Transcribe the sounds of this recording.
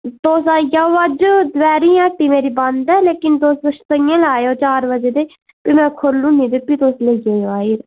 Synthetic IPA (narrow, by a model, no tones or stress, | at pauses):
t̪oːsaːjaːəd͡ʒd̪ʋɛːɾiːãːʈiːmeːɾiːbənd̪ɛːleːkɪnt̪oːsəʃt̪əjãːlaːeoːt͡ʃaːɾʋəd͡ʒeːd̪eː | pimɛ̃ːkʰolːũːnĩːd̪epiːt̪oːsleɡeːjoːaːiːɾ